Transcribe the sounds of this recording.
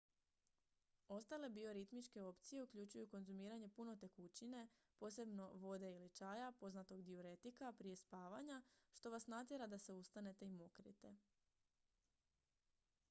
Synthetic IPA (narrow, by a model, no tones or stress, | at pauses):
o̞st̪ale̞bio̞ɾit̪mit͡ʃke̞o̞pt̪sije̞ukʎut͡ɕujuko̞nzumiːɾaɲe̞puno̞t̪e̞kut͡ɕine̞po̞ːse̞bno̞ʋo̞d̪e̞ilit͡ʃaːjapo̞znat̪o̞ɡd̪ioɾe̞t̪ikapɾije̞spaːʋaɲaʃt̪o̞ʋasnat̪jeɾad̪ase̞ust̪ane̞t̪e̞imo̞kɾḭt̪e̞